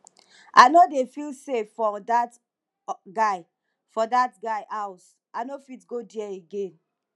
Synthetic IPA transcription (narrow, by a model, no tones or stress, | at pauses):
aɪnodefilsefːɔdat | ɡaɪ | fɔdatɡaɪʔaʊs | ʔanofitɡodiɛeɡẽn